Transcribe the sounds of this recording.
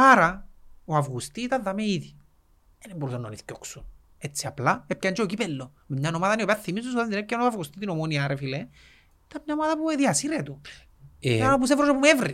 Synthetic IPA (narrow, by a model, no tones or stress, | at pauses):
aɾɐoavɣust̪it̪ɐðːɐmeiði | enemboɾusenːoniθcoksun | et͡sːiaplaep̚çɐnd͡ʒeocipelːo | memɲanomaðɐniopeaθːimizunsðaznd̪inepcɐnoavɣust̪it̪inomoniaɾefile | t̪ɐmɲaomaðɐpueðiɐsiɾet̪u | anop̬us̬evɾoʃopumevɾi